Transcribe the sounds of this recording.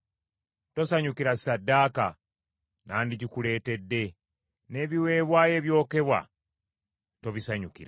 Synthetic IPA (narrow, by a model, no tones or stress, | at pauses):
to̞saɲukiɾassadːaːka | naːndiɟikule̞ːte̞dːe̞ | ne̞ːβiwe̞ːβwaːje̞ːβjo̞ːke̞βwa̰ | to̞βisaɲukḭɾa